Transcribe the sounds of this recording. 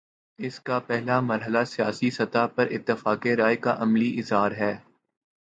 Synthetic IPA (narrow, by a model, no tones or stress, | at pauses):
ɪskapɛɦlamɐɾɦəlasijaːsisɐt̪apɐɾʔɪ̰t̪ːɪfaːkeɾaːekaʔɐmliʔɪzɦaːɾɦɛː